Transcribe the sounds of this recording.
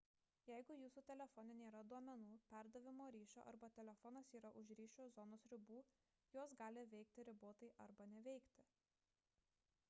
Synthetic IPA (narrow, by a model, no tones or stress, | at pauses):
jɛɪɡʊjuːsuːt̪ʲɛlʲɛfɔnʲɛnʲeːɾɐd̪uɔmʲɛnuːpʲæˑɾd̪ɐʋʲɪmoːɾʲiːʃʲo̰ʔɐ̰ɾbɐt̪ʲɛlʲɛfɔnɐsiːɾɐʔʊʃɾʲiːʃʲoːzɔnoːsɾʲɪbuː | joɔsɡɑːlʲɪʋʲɛɪk̚t̪ʲɪɾʲɪboːt̪ɐɪʔɐɾbɐnʲɛʋʲɛɪkt̪ʲɪ